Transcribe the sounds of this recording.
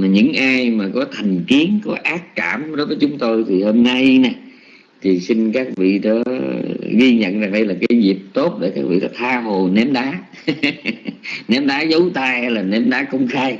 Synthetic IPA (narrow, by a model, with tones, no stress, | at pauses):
ɲɨ̰˧˥ŋʔaː˧jmaː˨˩kɔ˨˦t̪ʰa˨˩jŋ̟ki˨˦əŋkɔ˨˦ʔaː˦˥k̚kaː˧˩mɗo˨˦jvəː˨˦jt͡ɕʊ˨˦ŋ͡mt̪o˧jt̪ʰi˨˩ho˧mna˧jnɛ˨˩ | t̪ʰi˨˩si˧ŋkaː˦˥k̚vḭ˧˨ɗɔ̰ː˧˨˦ | ɣi˧ɲə̰˧˨nza˨˩ŋɗə˧jlaː˨˩kaː˨˦jzi˨˩p̚t̪o˦˥t̚ɗe˧˩kaː˦˥k̚vḭ˧˨ɗaː˨˦t̪ʰaː˧ɦo˨˩nɛ˨˦mɗaː˨˦ | nɛ˨˦mɗaː˨˦zə˨˦wt̪aː˧hlaː˨˩nɛ˨˦mɗaː˨˦kə˧wŋ͡mxaː˧j